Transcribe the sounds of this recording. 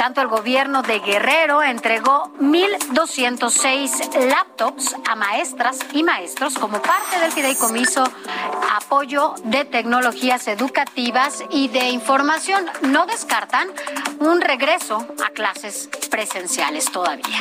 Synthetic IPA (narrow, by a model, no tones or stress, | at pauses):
t̪ant̪o̞e̞lɣo̞βje̞ɾno̞ðe̞ɣere̞ɾo̞e̞nt̪ɾe̞ɣo̞mild̪o̞sje̞nt̪o̞sejslap̚t̪opsamae̞st̪ɾasimae̞st̪ɾo̞sko̞mopaɾt̪e̞ðe̞lfiðejko̞miso̞ | apo̞ʝo̞ðe̞t̪e̞kno̞lo̞xiase̞ðukat̪iβasiðe̞iɱfo̞ɾmasjo̞nːo̞ðe̞skaɾt̪anunre̞ɣɾe̞so̞a̰klase̞spɾe̞se̞nsja̰le̞st̪o̞ðaβia